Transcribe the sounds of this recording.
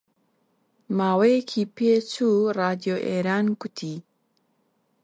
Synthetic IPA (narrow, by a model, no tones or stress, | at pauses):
maːwejekʰipeːt͡suraːd̪ijoʔeːɾaːnkʊt̪ʰi